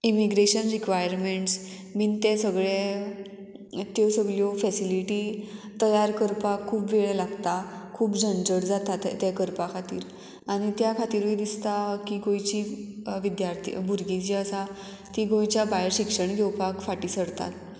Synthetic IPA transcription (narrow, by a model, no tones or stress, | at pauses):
imiɡɾeɕənɾikʋajəɾmeɳʈs | miːnt̪ɛsəɡɭe | t̪josəɡɭjofɛsiliʈit̪əjaɾkəɾpakʰːuːpʋeɭɛlaɡt̪akʰuːpd͡ʑʱəɳd͡zəɽd͡zat̪at̪t̪ːɛkəɾpakʰat̪iːɾ | aɽ̃it̪jakʰat̪iːɾʋed̪ist̪akiɡojt͡ɕiʋid̪jaɾt̪ʰḭbʱuɾɡit͡ɕiəsa | t̪iɡojt͡ɕabajəɾɕikʂəɳɡʱewpakfaʈiːsəɽt̪a̰t̪